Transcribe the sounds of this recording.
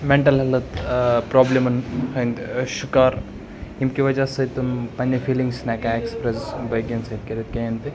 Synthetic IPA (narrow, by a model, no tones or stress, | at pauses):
meɳʈɐlɦɐlɐt̪pɾɔblemɐnɦɐnt̪ʃukaːɾ | imkiʋɐd͡ʒasɐt̪umpɐnʲːɐfʰiliŋɡsnakãekspɾesbɐjɡensɐjt̪̚kɐɾit̪̚kẽjɐnt̪i